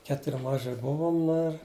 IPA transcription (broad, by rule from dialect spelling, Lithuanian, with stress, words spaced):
ˈkʲæːtʊrʲ ˈmɑːʒʲeː ˈbʊʋoːm ˈnʊ ɪr